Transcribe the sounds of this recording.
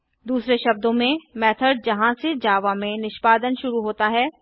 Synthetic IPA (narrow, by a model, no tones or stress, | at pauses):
d̪uːsɾeʃɐb̚d̪õmẽmɛːt̪ʰəɾ̚d͡ʒɐɦãsed͡ʒaːʋãmẽnɪʃpaːd̪ənʃʊɾuɦoːt̪aɦɛː